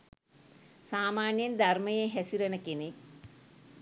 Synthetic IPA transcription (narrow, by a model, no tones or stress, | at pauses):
saːmaːnjɐnd̪ʱɐrmɐjeɦesiɾɐnɐkini